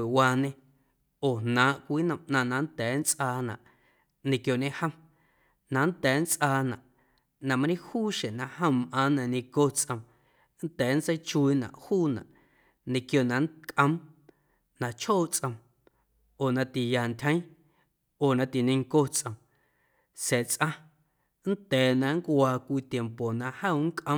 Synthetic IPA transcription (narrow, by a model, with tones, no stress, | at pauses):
e˨waː˧nẽ˧ | oː˨nãː˨˦ʔkʷiː˦nə̃˧mʔnã˧nã˧˦nt̪ɛː˨˦nt͡sʔaː˧nã̰˨ʔ | nẽ˧kjo˧˨ʔɲẽ˧hə̃˧m | nã˧n˦t̪ɛː˨˦n˦t͡sʔaː˧nã̰˨ʔ | nã˧ma˧ɾĩ˦huː˦˨ʃẽ˨nã˧hə̃˦˧mʔãː˨˦nã˧ɲẽ˧ko˦˧t͡sʔə̃˧m | n˦t̪ɛː˨˦n̩˦t͡sə˦jt͡ʃu˧i˧nã̰˨ʔhuː˦˨nã̰˨ʔ | nẽ˧kjo˧˨nã˨nkʼʔə̃˦m | nã˧t͡ʃhoː˦˨t͡sʼʔə̃˧m | oː˨nã˧t̪i˨ja˨nt̪ʲhə̃˦j̃ | oː˨nã˧t̪i˨nẽ˧ŋko˦t͡sʔə̃˧m | sɛː˨t͡sʔã˧ | n̩˦t̪ɛː˨nã˧ŋ˦kʷwaː˧kʷiː˧t̪je˨mpo˨nã˧hə˦˨˦ŋ˦kʔə̃˧˦